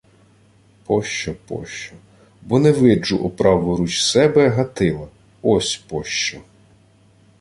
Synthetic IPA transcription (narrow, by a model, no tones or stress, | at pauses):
pʰɔʃt͡ʃɔpɔ̰ʃt͡ʃɔ | bɔnɛʋɪd͡ʒʊʔɔpɾɑʋʊɾut͡ʃsɛbɛɦɐt̪ɪlˠɐ | ɔsʲpɔʃt͡ʃɔ